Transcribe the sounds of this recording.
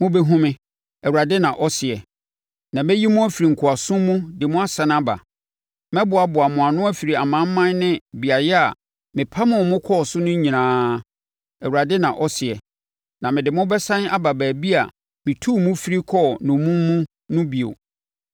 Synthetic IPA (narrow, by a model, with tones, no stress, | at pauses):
mʊ̃˦be˦ɦũ˦mɪ̃˦ | ɛ˨wu˨ɾa˨dɪ˦nã˨ʔɔ˦sɪ˨ɛ˨ | nã˨mɛ˦ji˦mũ˦æ˦fi˨ɾi˨ŋ̩˨kʰʊ˨a˨sʊ̃˦mũ˦dɪ˨mʊ̃˦a˦sã˨n˦a˦ba̰˨ | mɛ̃˦bʊ˨a˨bʊ˨a˨mʊ̃˨a˨nʊ̃˦æ˦fi˨ɾi˨a˨mã˨˦m̩˦mã˦nnɪ̃˦bi˨a˨jɛ˦a˨ | mɪ̃˨pʰa˦mʊ̃˨mʊ̃˦kʰɔː˦˨sʊ˦nʊ̃˦ɲĩ˨ãː˨˦ | ɛ˨wu˨a˨dɪ˦nã˨ʔɔ˦sɪ˨ɛ˨ | nã˨mɪ̃˨dɪ˨mʊ̃˦bɛ˦sã˦n˦a˦ba˨bæː˨bi˦a˨ | mɪ̃˨tʰuː˦˨mũ˦fi˦ɾi˦kʰɔ˦˨nʊ̃˨mũ˦mːũ˦ | nʊ̃˦bi˨o̰˨